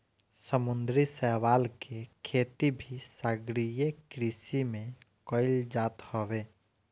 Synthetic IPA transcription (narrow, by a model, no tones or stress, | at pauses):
səmund̪ɾisɛʋalkekʰet̪ibʱisaɡɾijekɾisimẽkəɪld͡ʒat̪hɔbe